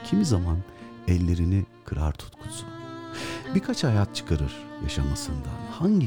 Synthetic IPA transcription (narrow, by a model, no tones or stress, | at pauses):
cʰimizamanɛlʲːe̞ɾinikʰɯɾaɾt̪ʰu̥t̪kʰu̥sun | biɾkʰat͡ʃhajat̪̚t͡ʃʰɯ̥kʰaɾɯɾ̥jaʃamasɯnd̪a̰haɲɟi